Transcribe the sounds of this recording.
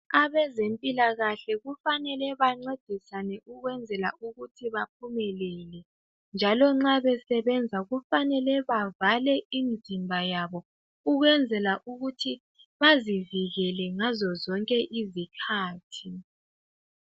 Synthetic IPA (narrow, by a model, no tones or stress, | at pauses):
aβɛzempʼilaɣaɬɛɣufanɛlɛβaŋ͡ǀed̥ʱisanɛʔuɣwɛnd͡zʱɛlaʔuɣutʰiβap̚ʰumɛlɛlɛ | nd͡ʒʱalɔŋ͡ǁaβɛsɛβɛnd͡zʱaɣufanɛlɛβavalɛinzʱimbʱajaβɔ | uɣwɛnd͡zʱɛlaʔuɣutʰi | βaziviɣɛlɛŋazɔzɔŋkʼɛʔizikʰaːtʰi